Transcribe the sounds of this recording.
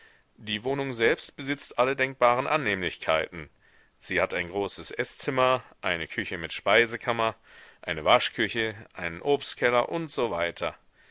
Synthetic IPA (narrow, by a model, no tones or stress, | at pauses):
d̥iːvoːnʊŋzɛlpstb̥əzɪt͡stʔalədɛŋk̚b̥aːʁənʔanːeːmlɪçkʰaɪtn̩ | z̥iːhataɪnɡʁoːsəsʔɛst͡sɪmɐʔaɪnəkʰʏçəmɪtʃpaɪzəkʰamɐ | ʔaɪnəvaʃkʰʏçəʔaɪnənʔoːpstkʰɛlɐʔʊntz̥ovaɪtʰɐ